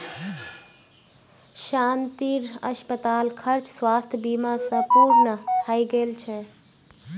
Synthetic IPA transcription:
ʃant̪iɾə̰ʃpət̪aːlkʰəɾt͡ʃswaːst̪ʰəbimasə̃puɾnəhaiɡelt͡ʃʰɛ

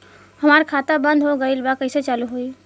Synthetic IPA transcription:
həmaːɾkʰaːt̪abə̃nd̪ʱɦoɡəilbakəɪset͡ʃaːluɦoi

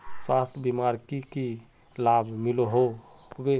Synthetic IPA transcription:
swast̪ʰbimaɾkiki | labʱmiloɦo | be

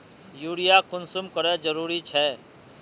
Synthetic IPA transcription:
juːɽɪjakʊnsʊmkəɾed͡ʒəɾuːɾit͡ʃʰɛː

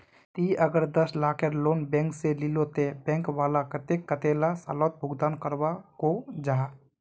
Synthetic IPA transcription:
t̪iʔəɡəɾd̪əslaːkeɾloːnbɛ̃ːŋkselilot̪ebɛ̃ːŋkʋaːlakət̪ekːət̪elasa̰ːlot̪̚bʱʊɡd̪aːnkəɾwakod͡ʒaː

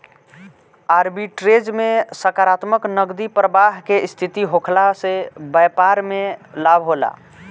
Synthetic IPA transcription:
aɾbiʈɾed͡ʒmesəkaɾat̪məknəɡd̪ipɾəbaɦkeist̪ʰit̪iɦokʰlasebəjpaɾmelabʱɦola̰

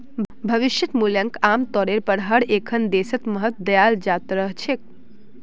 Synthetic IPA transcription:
bʱəʋiʃjət̪muljəŋkamt̪ɔɾeɾpəɽɦaɽekʰənd̪esət̪məɦət̪d̪əjald͡ʒat̪ɾəɦt͡ʃʰek̚

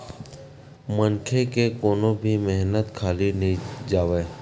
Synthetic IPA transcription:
mənkʰekekoːnõbʱimɛɦnət̪kʰaːlinəid͡ʒaːʋeː

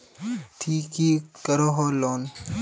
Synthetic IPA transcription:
t̪ʰiːkiːkəɾoɦoːloːn

